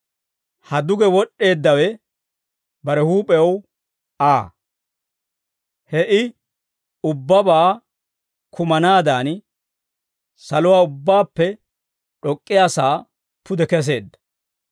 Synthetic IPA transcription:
hɐd̪ʊɡɛwɔɗːe̞ːd̪ːɐwɛ | bɐɾɛhuːpʼɛw | aː | hɛʔɪ | ʊbːɐbaː | kʊmɐnaːd̪aːn | sɐlʊwaːʊbːaːpːɛ | ᶑɔkʼːɪjaːsaː | pʊd̪ɛkɛs̬e̞ːd̪ːɐ̥

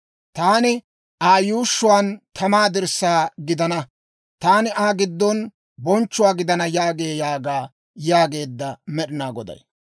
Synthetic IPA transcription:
t̪aːnɪ | ʔaːjuːʃːʊwaːnt̪ɐmaːd̪ɪɾsːaːɡɪd̪ɐnɐ | t̪aːnɪʔaːɡɪd̪ːɔn | bɔnt͡ʃːʊwaːɡɪd̪ɐnɐjaːɡeːjaːɡaː | jaːɡe̞ːd̪ːɐmɛɗɪnaːɡɔd̪ɐ̰j

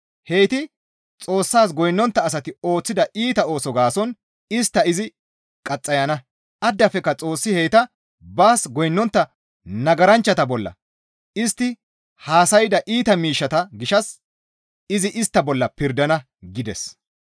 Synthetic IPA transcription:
hejt̪ɪ | t͡sʼo̞ːsːaːsɡɔjnːɔnt̪ːɐːs̬ɐt̪ɪo̞ːt͡sːɪd̪ɐʔiːt̪ɐo̞ːsɔɡaːsɔn | ɪst̪ːɐɪzɪ | kʼɐt͡sʼːɐjɐnɐ | ɐd̪ːɐfɛkːɐt͡sʼo̞ːsːɪheːjt̪ɐ | baːsɡɔjnːɔnt̪ːɐ | nɐɡɐɾɐnt͡ʃːɐt̪ɐbɔlːɐ̰ | ɪst̪ːɪ | haːsɐjɪd̪ɐʔiːt̪ɐmiːʃːɐt̪ɐɡɪʃɐs | ɪzɪʔɪst̪ːɐbɔlːɐpɪɾd̪ɐnɐ | ɡɪd̪ɛs

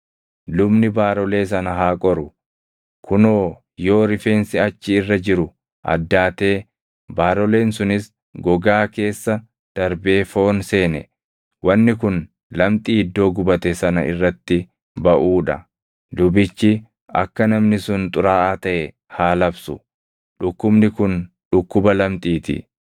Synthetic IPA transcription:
lʊbnɪbaːɾɔle̞ːs̬ɐnɐɦaːkʼɔɾʊ | kʰʊnoː | joːɾɪfe̞ːnsɪɐt͡ʃːɪɪrːɐd͡ʒɪɾʊ | ʔɐ̰d̪ːaːt̪e̞ː | baːɾɔle̞ːnsʊnɪs | ɡɔɡaːke̞ːsːɐ | d̪̥ɐɾbe̞ːfo̞ːnse̞ːnɛ | wɐnːɪkʊn | lɐmt̪ʼiːɪd̪ːo̞ːɡʊbɐt̪ɛsɐnɐ̰ʔɪ̰rːɐt̪ːɪ | bɐʔuːᶑɐ̰ | d̪ʊbɪt͡ʃːɪ | ɐ̰kːɐnɐmnɪsʊnt̪ʼʊɾaːʔaːt̪ɐʔɛ | haːlɐbsʊ̰ | ᶑʊkːʊbnɪkʊn | ᶑʊkːʊbɐlɐmt̪ʼiːt̪ɪ̰

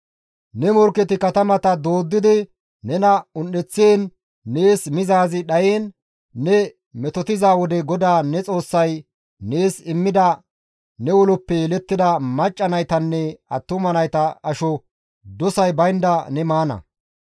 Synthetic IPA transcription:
nɛmɔɾkɛt̪ɪkɐt̪ɐmɐt̪ɐd̪o̞ːd̪ːɪd̪ɪ | nɛnɐʊnːɛt͡sːeːnː | e̞ːsmɪzaːzɪɗɐjeːnː | ɛ | mɛt̪ɔt̪ɪzaːwɔd̪ɛɡɔd̪aːnɛt͡sʼo̞ːsːɐj | ne̞ːsɪmːɪd̪ɐ | nɛwɔlʊpːɛɛlɛt̪ːɪd̪ɐmɐt͡ʃʼːɐnɐjt̪ɐnːɛɐt̪ːʊmɐnɐjt̪ɐɐʃɔ | d̪ɔsɐjbɐjnd̪ɐnɛmaːnɐ̰

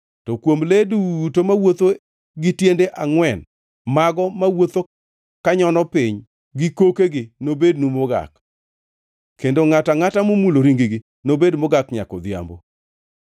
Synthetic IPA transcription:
tɔkwomledutomawot̪o | ɡɪtjendeʔaŋwɛn | maɡɔmawot̪o | kaɲɔnɔpɪɲ | ɡɪkokeɡɪnobed̚numoɡa̰k | kendoŋataŋatamomuloɾiŋɡiɡɪ | nobedmoɡakɲa̰kɔd̪ja̰mbo̰

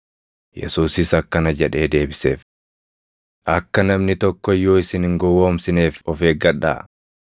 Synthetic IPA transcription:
jɛ̰suːsɪsɐkːɐnɐd͡ʒɛᶑe̞ːd̪e̞ːbɪsḛːf | ʔɐkːɐnɐmnɪt̪ɔkːɔɪjːoːɪsɪnɪŋɡɔwo̞ːmsɪneːfɔfe̞ːɡɐᶑa̰ː

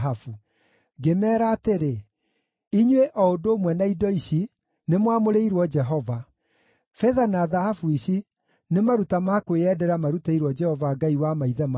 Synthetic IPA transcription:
ɦafu | ɡemɛːɾaːteɾe | iɲweʔɔodoːmwɛnaidɔiʃi | nemwamoɾeiɾwɔd͡ʒɛɦɔva | fɛðanaːðahafuiʃi | nemaɾutamakweɛdɛɾamaɾutaiɾwɔd͡ʒɛhɔvaːɡaiwamaiðɛma

